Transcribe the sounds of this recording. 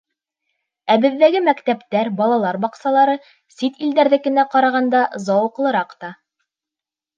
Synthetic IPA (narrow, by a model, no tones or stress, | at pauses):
æbɘ̆ðːæɡɘmækt̪æpt̪æɾbɑlˠɑlˠɑɾbɑqsɑlˠɑɾɤ | sit̪ild̪æɾðɘkɘ̆næqɑɾɑʁɑnd̪ɑzɑwɤ̆qlˠɤ̆ɾɑqt̪ɑ